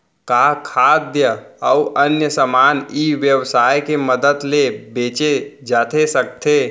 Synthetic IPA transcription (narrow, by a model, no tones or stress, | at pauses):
kakʰaːd̪jəəuʔənjəsəmaːniʋjəwsaːjkeməd̪əd̪lebeːt͡ʃed͡ʒaːt̪ʰesək̚t̪ʰe